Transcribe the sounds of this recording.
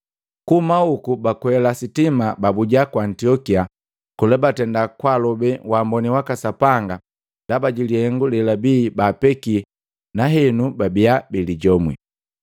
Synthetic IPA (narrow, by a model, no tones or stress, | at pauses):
kumaukubakwɛlasitimababuɟakwaːntiɔkia | kulɛbatɛndakwalɔbɛwambɔniwakasapaŋɡa | ndabaɟilihɛŋɡulɛlabiːbaːpɛkiɛ | naɦɛnubabiabiliɟɔmwi